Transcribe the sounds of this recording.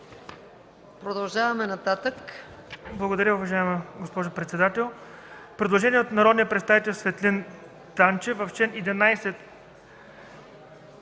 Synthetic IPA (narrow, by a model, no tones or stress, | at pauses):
pɾod̪ɐlˠʒavɐmɛnɐt̪at̪ək | blˠɐɡod̪ɐɾʲjəʊvɐʒaɛmɐɡospɔʒopɾɛt̪sɛd̪at̪ɛlˠ | pɾɛd̪lˠoʒɛniɛot̪nɐɾɔd̪nijəpɾɛt̪st̪avit̪ɛlʲˠsvɛt̪lin | t̪ant͡ʃɛvɐft͡ʃɛnid̪ɛnajsɛt̪